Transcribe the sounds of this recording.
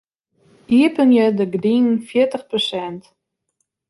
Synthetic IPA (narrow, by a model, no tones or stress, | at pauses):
iəpənjədəɡdinnfjiərtəχprosɛnt